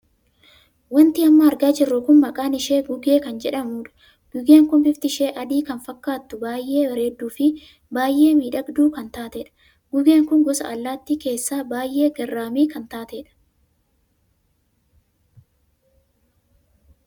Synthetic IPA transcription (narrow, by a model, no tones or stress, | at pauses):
wɐnt̪ɪɐmːɐːɾɡaːd͡ʒɛrːɔkʊnmɐkʼaːnɪʃeːɡʊɡe̞ːkɐnd͡ʒɛᶑɐmuːᶑɐ̥ | ɡ̥ʊɡe̞ːŋkʊmfɪft̪ɪʃe̞ːʔɐd̪iːkɐnfɐkːaːt̪ːʊbaːjʔe̞ːwɐɾeːd̪ːuːfɪ | baːjʔe̞ːmiːᶑɐɡd̪uːkɐnt̪aːt̪ɛᶑɐ̥ | ɡ̥ʊɡe̞ːŋkʊŋɡɔsɐ̰ɐlːaːt̪ːiːke̞ːsːaːbaːjʔːe̞ːɡɐrːaːmiːkɐnt̪aːt̪eːᶑɐ̥